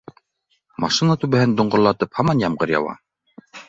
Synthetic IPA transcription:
mɑʃinat̪ʉβæhɘnd̪ŏɴɢŏɾlˠɑt̪ɤphɑmɑnjɑmɢɤɾjɑ̰wɑ̰

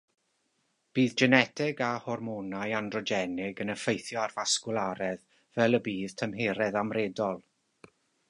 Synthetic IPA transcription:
b̥iːðd͡ʒɛnɛtʰɪɡahɔrmɔnajandrɔd͡ʒɛnɪɡənəfejθjɔarvaskʊlˠaɾɛð | vɛlˠəbiːð̥tʰəmɦeːɾɛðamreːdɔlˠ

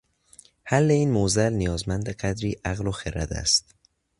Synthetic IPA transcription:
hælːe̞iːnmozælnijɒːzmænd̪eɢæd̪ɾiːʔæɣloxeɾæ̰d̪æ̰st̪

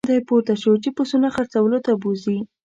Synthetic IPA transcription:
d̪ajpoɾt̪aʃəwt͡ʃepʊsunaxəɾt͡sawəlot̪abozi

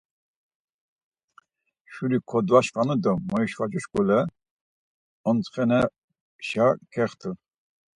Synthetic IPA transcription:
ʃuɾikʰɔd̪vaʃfanud̪ɔmɔjiʃvat͡ʃuʃkʼɔlɛ | ɔnt͡sχɛnɛ | ʃakʰɛχt̪ʰu

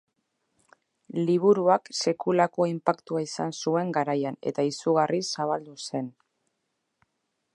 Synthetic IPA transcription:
liβ̞uɾuakse̞kulako̞impakt̪uaisansue̞ŋɡaɾajanḛt̪aisuɣ̞arisaβ̞ald̪use̞n

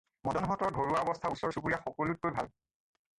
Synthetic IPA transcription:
mɔdɔnɦɔtɔɹɡʱoɹuaɔbɔstʰausɔɹsupuɹijaxɔkolut̚kojbʱa̰l

